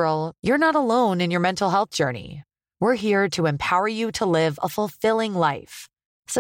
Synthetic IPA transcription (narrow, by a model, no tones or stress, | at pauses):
l̩ˠjə˞nəɾəlõʊ̃nɨ̃njə˞mɛ̃ntˡl̩ˠɦɛlˠθd̥ʒ̥ɜ˞nḭ | wɪɹɦiɹɾɨɨ̃mpʰaʊə˞jɨɾəlɪvə̰fəlˠfɪlˠɪ̃ŋlaɪf | s